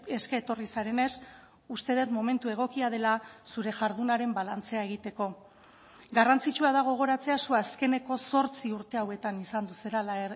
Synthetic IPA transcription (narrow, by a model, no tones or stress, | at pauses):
e̞skaːt̪o̞risaɾe̞ne̞s | ust̪e̞ð̞e̞t̪mo̞me̞nt̪ue̞ɣ̞o̞kiaðe̞lasuɾe̞ʝaɾðunaɾe̞mbalant͡se̞aeɣ̞it̪e̞ko̞ | ɡarant͡sit͡ʃuað̞aɣ̞o̞ɣ̞o̞ɾat͡se̞asuaske̞ne̞ko̞so̞ɾt͡siuɾt̪e̞awe̞t̪anisand̪use̞ɾalaeɾ